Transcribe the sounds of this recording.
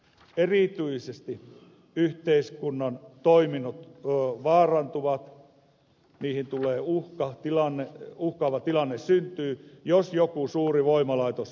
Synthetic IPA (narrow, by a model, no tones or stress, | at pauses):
erit̪yisest̪i | yht̪eiskunːɑnt̪oiminut̪ːʋɑːrɑnt̪uʋɑt̪ | niːhint̪ulˑeːuhkɑt̪ilɑnːeuhkɑːʋɑt̪ilɑnːessynt̪yːjosjokusuːriʋoimɑlɑit̪os